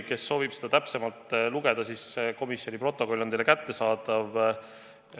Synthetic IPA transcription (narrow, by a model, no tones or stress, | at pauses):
ke̞sːo̞ːvib̥sed̪ɑt̪æpse̞mɑlt̪ˑluɡ̥e̞d̪̥ɑsisko̞misjo̞nʲipro̞t̪ːˑo̞ko̞lʲːnejlekæt̪ːe̞sɑːd̪ɑv